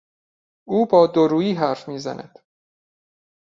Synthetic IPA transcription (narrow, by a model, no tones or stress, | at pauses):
ʔuːbɒːd̪oɾuːjiːɦæɾfmiːzæ̰nʔæ̰d̪̥